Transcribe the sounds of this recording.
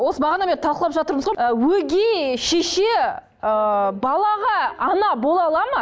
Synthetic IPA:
wosəbɑʁɑnɑmeɾt̪ʰɑlˠqəlˠɑpʒɑt̪əɾməzʁowɵɡʲeʃeʃe | əbɑlˠɑʁɑɑnɑbo̞lˠɑlˠɑmə

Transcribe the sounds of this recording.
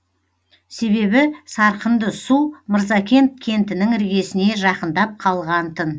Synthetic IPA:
se̞βe̞βɪsɑɾqənd̪əsuməɾzɑkʲʰe̞nt̪̚kʲʰe̞nt̪ɪnɪŋɪɾɡʲe̞sɪne̞ʒɑqənd̪ɑp̚qʰɑlˠʁɑnt̪ʰən

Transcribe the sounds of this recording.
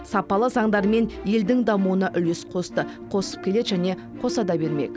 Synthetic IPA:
sɑpɑlˠəzɑɴd̪ɑɾme̞nje̞ld̪ɪŋd̪ɑmuwənɑʔʏlesqʰo̞st̪əqʰo̞sə̥p̚kʲʰe̞le̞d̪ʒæne̞ | qʰo̞sɑd̪ɑbe̞ɾme̞̰kʲ

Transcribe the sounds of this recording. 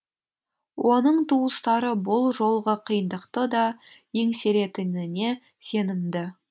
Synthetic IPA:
wʔo̞nəɴt̪ʰuwəst̪ɑɾəbʊlˠʒo̞lˠʁəqʰəjənd̪əqt̪əd̪ɑje̞ŋse̞ɾe̞t̪ɪnɪne̞ | se̞nɪmd̪ɪ

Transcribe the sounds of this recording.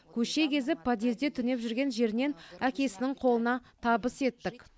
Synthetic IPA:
kʲʰɵʃe̞kʲʰe̞zɪpːɑd̪ezd̪e̞t̪ʰʏne̞pʒʏɾɡʲe̞nʒe̞ɾɪne̞nækʲe̞sɪnɪŋqʰo̞lˠənɑt̪ʰɑbəse̞t̪ːɪk

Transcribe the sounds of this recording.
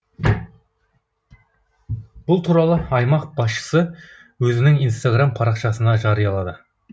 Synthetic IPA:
b̥ʊlˠt̪ʰuɾɑlˠəɑjmɑqb̥ɑsʃə̥sə | wɵzɪnɪŋijnst̪aɡrampʰɑɾɑqʃɑsənɑʒɑɾəjɑlˠɑd̪ə

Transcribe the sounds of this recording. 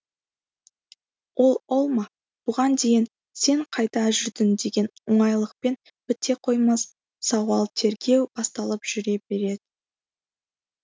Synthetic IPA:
wʔo̞lˠolˠmɑ | b̥ʊʁɑnd̪e̞jɪn | se̞ɴqʰɑjt̪ɑʒɪɾd̪ɪnd̪e̞ɡʲe̞nʊɴɑjlˠəq̚pe̞n | b̥ɪt̪ːe̞qʰo̞jmɑs | sɑwɑlˠt̪ʰe̞ɾɡʲe̞wb̥ɑst̪ɑlˠəpʒ̥ʏɾe̞be̞ɾe̞d̪̥ɪ

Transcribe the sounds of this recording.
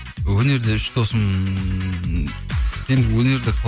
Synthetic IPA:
wɵne̞ɾd̪eʏʃt̪ʰosəm | t̪ʰenwɵne̞ɾd̪ɪqʰlˠ

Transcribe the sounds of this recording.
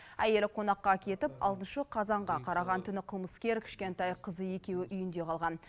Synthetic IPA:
æje̞lqʰo̞nɑqːɑkʲʰe̞t̪ɪpɑlˠt̪ənʃəqʰɑzɑɴʁɑqʰɑɾɑʁɑnt̪ʰʏnɪqʰəlˠməskʲe̞ɾkʲʰɪ̥ʃkʲe̞nt̪ɑjqʰəzəe̞kʲe̞wɪʔʏjɪnd̪e̞qʰɑlˠʁɑn

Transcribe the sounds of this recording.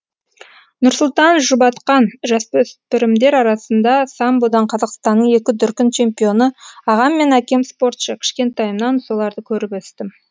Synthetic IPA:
nʊɾsʊlˠt̪ɑnʒʊbɑt̪qɑnʒɑspʏspɪɾɪmd̪e̞ɾɑɾɑsənd̪ɑsɑmbod̪ɑɴqʰɑzɑqst̪ɑnːəɴe̞kʲɪd̪ʏɾkʲɪnt͡ʃʰe̞mpijo̞nəɑʁɑmːe̞nækʲe̞mspo̞ɾt̪ʃəkʲʰɪ̥ʃkʲe̞nt̪ɑjəmnɑnsolˠɑɾd̪əkʲʰɵɾɪpwɵst̪ɪm

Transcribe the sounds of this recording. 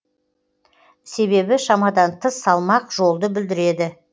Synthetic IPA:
se̞βe̞bɪʃɑmɑd̪ɑnt̪ʰəsːɑlˠmɑqʒo̞lˠd̪əbɪld̪ɪɾe̞d̪ɪ

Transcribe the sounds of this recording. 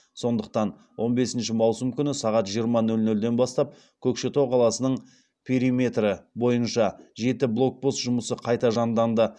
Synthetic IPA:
so̞nd̪əq̚t̪ɑn | wʔo̞nbe̞sɪnʃɪmɑwsəmkʲʰʏnɪsɑʁɑt̪ʒijəɾmɑnɵlnɵld̪e̞nbɑst̪ɑp̚ | kʲʰɵkʃet̪ʰo̞qʰɑlˠɑsənəɴ | pʲʰe̞ɾime̞t̪rəbo̞jənʃɑʒe̞t̪ɪblˠo̞k̚post̪ʒʊməsəqʰɑjt̪ɑʒɑnd̪ɑnd̪ə

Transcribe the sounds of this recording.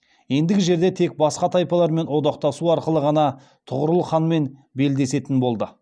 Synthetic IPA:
je̞nd̪ɪɡʲɪʒe̞ɾd̪e̞t̪ʰe̞k̚bɑsqɑt̪ʰɑjpɑlˠɑɾme̞nwo̞d̪ɑq̚t̪ɑsuɑɾqəlˠəʁɑnɑ | t̪ʰʊʁəɾəlˠəχɑnme̞nbe̞ld̪e̞se̞t̪ɪnbo̞lˠd̪ə

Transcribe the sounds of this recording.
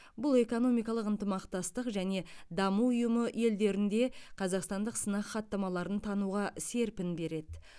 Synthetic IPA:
bʊlˠe̞ko̞no̞mijkɑlˠəqənt̪əmɑqt̪ɑst̪əqʒæne̞d̪ɑmuʊjəməje̞ld̪e̞ɾɪnd̪e̞qʰɑzɑqst̪ɑnd̪əqsənɑqχɑt̪ːɑmɑlˠɑɾənt̪ʰɑnuʁɑse̞ɾpɪnbe̞ɾe̞d̪ɪ

